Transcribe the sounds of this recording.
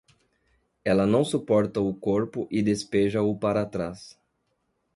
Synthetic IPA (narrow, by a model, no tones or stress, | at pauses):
ɛlɐnɐ̃w̃supɔɾt̪ɐʊkoɾpʊʔɪd̪espeʒɐʊpaɾat̪ɾas